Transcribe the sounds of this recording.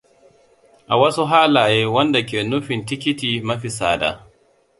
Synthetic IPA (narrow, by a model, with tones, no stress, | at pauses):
ʔa˨wɐ˦su˦ɦaː˦laː˨jeː˦wɐ˦nda˨k̬ʲeː˨nʊ˦ɸɪ˨ntɪ˦kʲɪ˦tiː˨mɐ˦ɸi˨sa̰ː˦da̰˨